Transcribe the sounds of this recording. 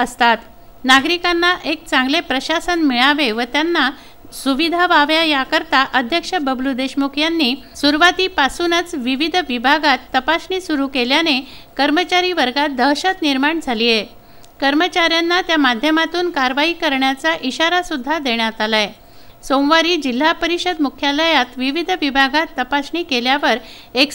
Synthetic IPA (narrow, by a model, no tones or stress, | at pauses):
əst̪at̪ | naɡɾikanːaʔek̚t͡sãŋɡlepɾəɕasənmiɭaʋeʋət̪janːa | suʋid̪ʱaʋaʋjajakəɾt̪aʔəd̪ʱjəkʂəbəblud̪eɕmukʰjanːiːsuɾʋat̪iːpasunət͡sʋiʋid̪ʱʋibʱaɡat̪ːəpasɳiːsuɾukeljanekəɾmət͡ɕaɾiʋəɾɡat̪̚d̪əɦɕət̪niɾmaɳd͡zʱalije | kəɾmət͡ɕaɾjanːat̪jamad̪ʱjəmat̪uːnkaɾʋaɦiːkəɾɳjat͡saʔiɕaɾasud̪ʱːad̪eɳjat̪alaj | somʋaɾiːd͡ʑil̤ːapəɾiɕəd̪mukʰjaləjat̪ʋiʋid̪ʱʋibʱaɡat̪ːəpasɳiːkeljaʋəɾ | ek